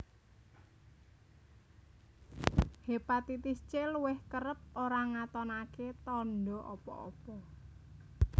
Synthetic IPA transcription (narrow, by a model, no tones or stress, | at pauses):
hepat̪it̪ist͡ʃeluwɪhkəɾəp̚oɾaŋat̪ɔnaket̪ɔnɖɔʔɔpɔ̰ɔ̰pɔ